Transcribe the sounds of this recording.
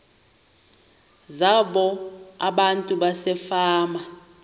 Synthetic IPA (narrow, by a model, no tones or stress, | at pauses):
zaɓɔaɓantʼuɓasɛfaːma